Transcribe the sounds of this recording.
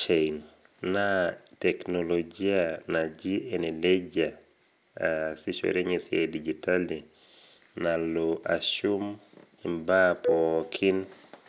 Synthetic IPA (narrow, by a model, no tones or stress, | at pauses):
t͡ʃejn | natɛknolod͡ʒianad͡ʒieneled͡ʒa | siʃwɛ̰ɾeɲesja̰did͡ʒitali | naloʔaʃum | imbapɔkʰin